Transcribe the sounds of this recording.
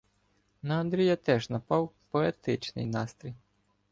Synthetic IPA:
nɐɐnd̪ɾʲijɐt̪ɛʒnɐpɑwpɔet̪ɪt͡ʃnɪ̰jnɑst̪ɾʲij

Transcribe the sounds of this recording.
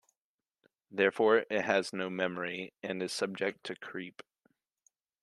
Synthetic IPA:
ðɛɹfɔɹɪt̚ɦɨznoʊmɛmə˞iɨ̃nɨz̥sʌb̚d͡ʒɨk̚tʰɨkʰɹ̥ip

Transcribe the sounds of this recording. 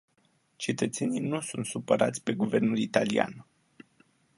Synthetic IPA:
t͡ʃe̞t̪ət̪se̞nijnusunt̪supəɾʔat̪sʲpe̞ɡuve̞rnulit̪alia̰n

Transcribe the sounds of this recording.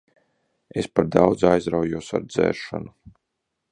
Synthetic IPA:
espaɾd̪awd̪zajzɾawjuɔsa̰ɾd̪zɛ̰ːɾʃa̰nu

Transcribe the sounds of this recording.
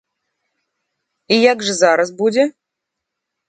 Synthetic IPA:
ijaɡʐɨzaɾɐsbud͡zʲɛ

